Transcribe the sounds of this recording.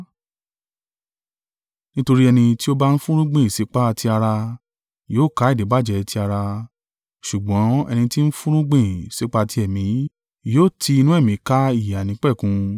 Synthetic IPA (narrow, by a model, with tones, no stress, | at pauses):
nĩ˦to˧ɾi˦ɛ˧nĩ˧ti˦o˦ba˦n̩˦fũ˦ɾ̃ũ˦ɡ͡bẽ˦˨si˨˦k͡pa˦˧ti˧a˧ɾa˧ | joː˦˨ka˨˦i˦˨de˨˦ba˦˨d͡ʒɛ˨˧ti˧a˧ɾa˧ | ʃu˨ɡ͡bɔ̃˨˦ɛ̰˧nĩ˧ti˦n̩˦fũ˦ɾ̃ũ˦ɡ͡bẽ˦˨si˨˦k͡pa˧ti˧˦ɛ˨mĩ˨˦ | joː˦˨tʰi˧i˧nũ˦ɛ˦˨mĩ˨˦ka˦i˦˨ja˨nĩ˨˦k͡pɛ˦˨kũ˧˦